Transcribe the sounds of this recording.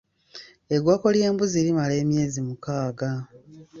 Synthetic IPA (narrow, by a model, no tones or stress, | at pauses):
e̞ɡwaːko̞ljeːmbuziɾimale̞ːmje̞ːzimukaːɡa